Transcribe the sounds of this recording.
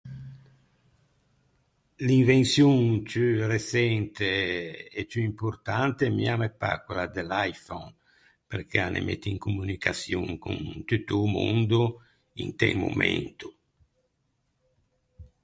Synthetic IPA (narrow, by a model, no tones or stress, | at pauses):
liɱvensjuŋt͡ʃyresɛnt̪eet͡ʃuimpuɾt̪ant̪emḭamepa̰kulad̪elajfɔn | perkʰeanʔḛmʔɛ̰t̪ːiŋkumunikʰasjuŋkṵnt̪ut̪ːumund̪u | ḭnt̪ɛ̰lmo̰mɛ̰nt̪u